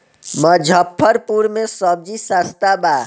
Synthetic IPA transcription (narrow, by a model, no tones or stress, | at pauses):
məd͡ʒʱəpʰːəɾpuɾmẽsəb̚d͡ʒisast̪aba